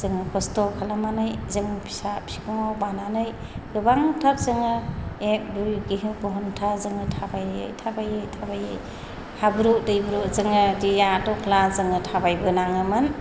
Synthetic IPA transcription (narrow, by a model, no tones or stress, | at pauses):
z̥ɯŋɯkʰɔstɔkʰalamanɯjzɯŋɯpʰi̥sapsi̥kɔŋawbananɯj | ɡ̥ɯbaŋtʰak̚zɯŋɯek̚bujɡiɦɯŋpɔɦɔntʰazɯŋɯtʰabajɯ̰jtʰabajɯtʰabajɯj | habɯɾudɯjbɯɾuzɯŋɯdijatɔkʰlazɯŋɯtʰabajbɯnaŋɯmɯn